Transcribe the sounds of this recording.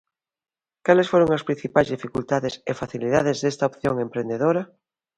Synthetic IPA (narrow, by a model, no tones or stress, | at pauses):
kalesfoɾoŋɐspɾin̟θipajzðifikult̪aðesefaθiliðaðezðest̪aopθjoŋempɾend̪eðoɾɐ